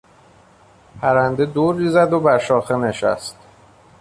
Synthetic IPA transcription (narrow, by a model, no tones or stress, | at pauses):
pʰæɾænd̪e̞d̪oːɾːiːzæd̪obæɾʃɒːxene̞ʃæ̰st̪